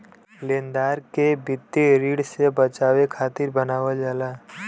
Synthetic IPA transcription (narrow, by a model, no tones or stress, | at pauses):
lẽːnd̪aːɾkebɪt̪ːeɾiːɽsebət͡ʃaːwekʰaːt̪ɪɾbənaːʋəld͡ʒaːlaː